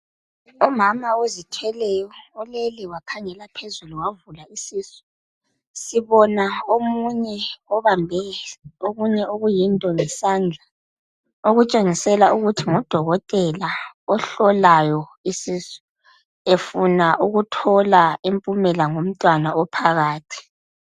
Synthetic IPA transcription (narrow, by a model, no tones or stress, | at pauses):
umamaozitʰwɛlɛjɔːleliwakʰaŋɛlapʰezuluwavulaisiːsɔ̥ | siβɔnaomuɲɛɔβambʱɛoɣuɲɛoɣujintʼɔŋɛsaːnd͡ɮʱa | oɣut͡ʃʼeŋisɛlauɣutʰiŋɔd̥ʱɔɣɔtʼɛlaɔɬɔlajɔisiːsɔ̥ | efunaʔuɣutʰɔlaimpʼumɛlaŋom̩tʼwanaɔpʰaɣaːtʰi̥